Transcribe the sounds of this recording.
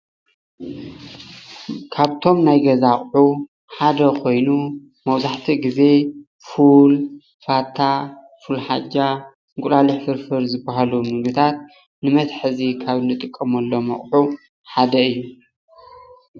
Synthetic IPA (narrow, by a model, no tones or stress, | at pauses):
kʰaβt̪ʰo̞mnajɡɐzaχʼħu | ħad̪ɐkʰo̞jnu | mɐwzaħt̪ʰiɡize̞ | ful | fat̪ʰːa | fulħad͡ʒa | ŋkʷʼulaliħfɨɾfɨɾzɨbːaɦalumɨɡɨt̪ʰat̪̚ | nɨmɐt̪ħɨzikʰaβɨndɨt̪ʼɨkʼːɐmɐlːo̞mɐ̰χʼħu | ħad̪ɐɨjːu